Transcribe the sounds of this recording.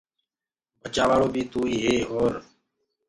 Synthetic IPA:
bʱət͡ʃaːʋaːɭoːbʱiːt̪uːiːɦeːɦoːɾ

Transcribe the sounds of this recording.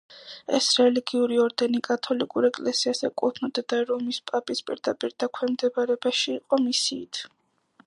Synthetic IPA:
ɛ̰sɾɛliɡiuɾiɔɾd̪ɛnikʼat̪ʰɔlikʼuɾɛkʼlɛsiasɛkʼut̪ʰnɔd̪̥ɛd̪aɾɔmispʼapʼispʼḭɾd̪apʼiɾd̪akʰwɛmd̪ɛbaɾɛbaʃiːqʼɔmisiːt̪ʰ

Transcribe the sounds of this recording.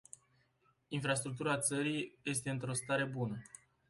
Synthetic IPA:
infɾast̪ɾuk̚t̪uɾat̪səɾijje̞st̪e̞ɨnt̪ɾo̞st̪aɾe̞bunə

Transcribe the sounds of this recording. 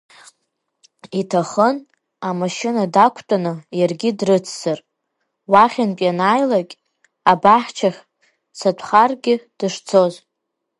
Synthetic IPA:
itʰaχən | amaʃɪnadakʷʰtʼanɨjarɡʲɪdrɨt͡sʰz̥ɨr | waχʲanpʼjanaːjlakʲʼ | abaħt͡ʃʰaχʲ | satʷʰχarɡʲɪd̥ɨʂt͡sʰo̞z

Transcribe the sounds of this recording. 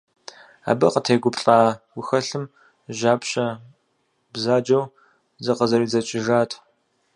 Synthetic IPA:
a̰ːbɐqətʰeːɡʷʊpɬʼaːwʷʊxɐɬɨm | ʒaːpɕʼɐ | bzaːd͡ʒɐw | zɐqəzɐɾiːzɐt͡ʃʼɪʒaːtʰʼ

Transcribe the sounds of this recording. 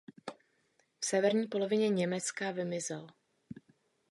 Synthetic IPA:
fsɛvɛɾɲiːpo̞lo̞vɪɲɛɲɛmɛt͡skavɪmɪzɛl

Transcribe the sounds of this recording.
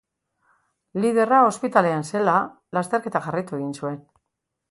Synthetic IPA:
lið̞e̞rao̞spit̪ale̞anse̞la | last̪e̞ɾke̞t̪aʝarajt̪ue̞ɣ̞insue̞n

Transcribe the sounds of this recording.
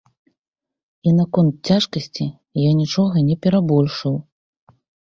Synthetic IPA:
inakɔnt̪̚t͡sʲaʂkɐsʲt͡sʲi | janʲit͡ʂɔɣɐnʲɛpʲɛɾabɔlʲʂɨw

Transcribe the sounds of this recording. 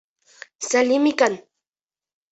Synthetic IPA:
salɪmɪkaŋ

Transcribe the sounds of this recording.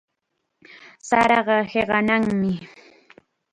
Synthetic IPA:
saɾɑɢɑheɢɑnaŋmɪ

